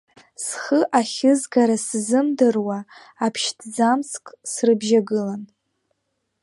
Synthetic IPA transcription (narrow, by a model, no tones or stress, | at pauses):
sχəʔaχʲɪzɡaɾaszɨmdɨrwaː | pʰʃtʰd͡zamskʼsrɨbʒaɡɨlan